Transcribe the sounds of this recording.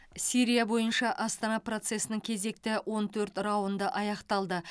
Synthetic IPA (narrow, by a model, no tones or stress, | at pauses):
sʲiɾʲijabo̞jənʃɑʔɑst̪ɑnɑpro̞t̪se̞sɪnɪŋkʲʰe̞ze̞k̚t̪ɪwo̞nt̪ʰɵɾt̪rɑwənd̪əʔɑjɑqt̪ɑlˠd̪ə